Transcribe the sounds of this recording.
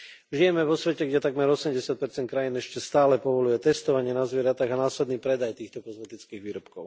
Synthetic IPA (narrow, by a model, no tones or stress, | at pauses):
ʒijɛmɛʋɔsʋɛcɛɡɟɛt̪aɡmɛɾɔsɛmɟɛsɪat̪̚pɛɾt͡sɛnt̪̚kɾajiːnɛʃcɛst̪aːlɛpɔʋɔlujɛt̪ɛst̪ɔʋaɲɪɛnazʋɪɛɾat̪aːɣanaːslɛd̪niːpɾɛd̪ajt̪iːxt̪ɔkɔzmɛt̪it͡skiːɣʋiːɾɔpkɔʊ